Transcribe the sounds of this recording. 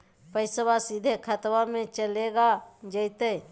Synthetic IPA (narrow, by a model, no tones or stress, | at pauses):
pəɪsəbasid̪ʱekʰət̪wamẽt͡ʃəleɡad͡ʒəɪt̪e